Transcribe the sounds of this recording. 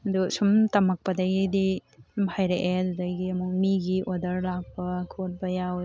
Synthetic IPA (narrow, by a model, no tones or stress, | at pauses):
ɐdusumtɐmɐk̚pɐdɐɡidimhʰajɾeʔedudɐɡiɐmuk̚miɡiʔodɐɾlak̚pɐkʰot̚bɐjaw